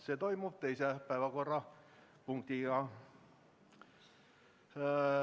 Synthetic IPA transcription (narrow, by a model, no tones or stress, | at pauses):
set̪o̞jmub̥̚t̪ejsepæevɑko̞rːɑ | puŋk̚t̪iɡɑ